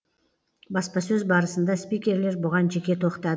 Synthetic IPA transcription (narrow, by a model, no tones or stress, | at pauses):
bɑspɑsɵzbɑɾəsənd̪ɑspʲijkʲe̞ɾle̞ɾbʊʁɑnʒe̞kʲe̞t̪ʰo̞qt̪ɑd̪ə